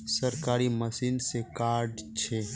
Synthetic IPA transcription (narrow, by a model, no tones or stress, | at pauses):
səɾkaːɾiməsiːnsekaːɾɖt͡ʃʰe